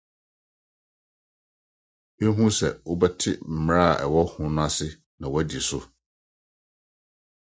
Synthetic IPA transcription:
e˦ɦũ˦sɛ˨wo˦bɛ˦tʰɪ̰˦m̩˨m̃˦ɾa˦a˨ʔɛ˨wɔ˦hʊ̃˦nʊ̃˦a˦sɪ˦ | nã˨wæ˦di˨sʊ̰˦

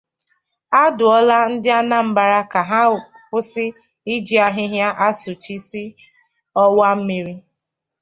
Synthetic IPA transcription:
a˦dʊ˨ɔ˦la˦n̩˦dɪ˦a˦na˦m̩˦ba˨ɾa˦ka˨ɦa˦˨ | kʊ˦sɪ˦ | i˦d͡ʒi˦a˨ɦɪ˦ɦja˦ʔa˦sʊ˨t͡ʃi˦si˦ | ɔ˦wa˦m̩˦mi˨ɾi˦

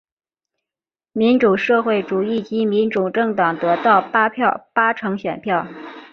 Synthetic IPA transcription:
mi˧˥nʈ͡ʂu˨˩ʂɤ˥˧xwe˥˩ɪʈ͡ʂu˨˩i˥˩t͡ɕi˧˥mi˧˥nʈ͡ʂu˨˩ʈ͡ʂɤ˥˩ŋt̪ɑ˨˩ŋt̪ɤ˧˥t̪ɑ˥˩ʊpa˥pʰjɑ˥˩ʊpa˥ʈ͡ʂʰɤ˧˥ŋɕɥɛ˨˩npʰjɑ˥˩ʊ

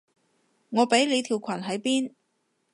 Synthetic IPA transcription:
ŋɔː˨˧pe˨˥jle˨˧jt̪ʰiː˨˩wkʷʰɐ˨˩nɦɐ˨˥jpiː˥n

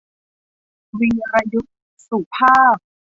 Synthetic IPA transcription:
wi˧ɾa˧ju˦˥t̚ | su˨˩pʰaː˥˩p̚

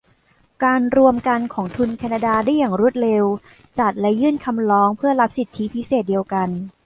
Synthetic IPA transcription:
kaː˧nɾu˧əmka˧nkʰɔː˩˦ŋt̪ʰu˧nkʰaː˧naː˧daː˧daː˥˩jaː˨˩ŋɾu˦˥ə˩t̪̚ɾe˧w | t͡ɕa˨˩t̪̚lɛ˦˥jɯː˥˩nkʰa˧mlɔː˦˥ŋpʰɯ˥˩ɐɾa˦˥p̚si˨˩t̪ʰːi˦˥pʰi˦˥seː˨˩t̪̚di˧əwka˧n

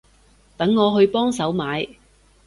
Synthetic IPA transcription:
t̪ɐ˨˥ŋːɔː˨˧ɦɵ˧ɥpɔː˥ŋsɐ˨˥wmaː˨˧j

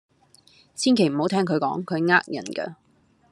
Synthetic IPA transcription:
siː˥nkʰe˨˩jm̩˨˩ho˨˧wt̪ʰɛː˥ŋkʰɵ˨˧ɥkɔː˨˥ŋkʰɵ˨˧ɥŋaː˥k̚jɐ̰˨˩nkɐ̰˧

